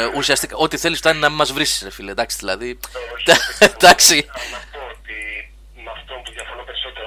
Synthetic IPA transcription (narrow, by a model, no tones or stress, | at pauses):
usiɐst̪ikɐo̞t̪iθe̞lisft̪ɐnnɐmimɐzvɾisi̥sɾefiled̪ɐksi̥ðilɐðid̪ɐd̪ɐksi | i | ɐft̪ojɐfɾpeɾsot̪